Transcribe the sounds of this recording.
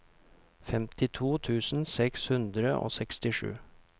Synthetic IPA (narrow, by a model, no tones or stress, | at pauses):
fɛmt̪ʰɪt̪ʰuːt̪ʰʉːsn̩sɛkshʉnd̪ɾəʔo̰ːsɛkst̪ɪʂʉ̰ː